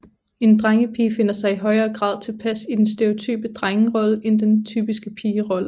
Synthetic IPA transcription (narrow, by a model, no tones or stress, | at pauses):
e̝nd̥ʁaŋəpʰiːfe̝n̰ɐsɑ̈ɪiɦɒ̽ɪɐːɡ̥ʁɑ̰̈ːðˠt͡sʰe̝lpʰæsid̥ensd̥e̝o̝t͡sʰy̰ːb̥əd̥ʁaŋəʁɒ̽ləʔend̥ent͡sʰy̰ːb̥isɡ̥əpʰiːʁɒ̽lə